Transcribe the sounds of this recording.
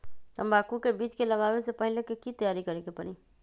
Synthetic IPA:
əmbaːkukebiːd͡ʒkeləɡawesepəɦilekekit̪əjaːɾikəɾekepəɾi

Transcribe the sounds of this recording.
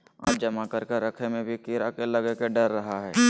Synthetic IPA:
a̰ːp̚d͡ʒɐmakɐɾkeɾɐkʰnemẽbʱikiːɾakelɐɡekeɖɐɾːɐɦaɦɛː

